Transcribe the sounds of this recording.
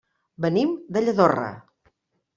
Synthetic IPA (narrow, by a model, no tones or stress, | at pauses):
bənimd̪əʎəðorə̰